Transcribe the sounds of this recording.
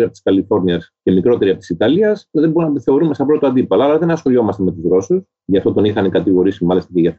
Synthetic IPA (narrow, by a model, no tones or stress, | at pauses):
ɾiɐpot̪i̥skɐlifo̞ɾniɐsce̞mikɾo̞t̪e̞ɾiɐpot̪i̥sit̪ɐliɐsceðebounɐt̪iθe̞o̞ɾumest̪ɐpɾot̪oɐnd̪ipɐlɐɐlɐðenɐsxo̞lo̞mɐst̪e̞me̞t̪uzɣɾo̞sus | ʝɐft̪o̞t̪o̞nixɐnikɐt̪iɣo̞ɾisimɐlist̪ɐceʝɐ